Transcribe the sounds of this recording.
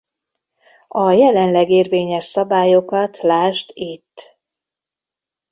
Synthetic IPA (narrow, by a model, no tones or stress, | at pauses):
ɒjɛlɛnlɛɡeːrveːɲɛʃsɒbaːjo̞kɒt̪ʰlaːʃt̪it̪ː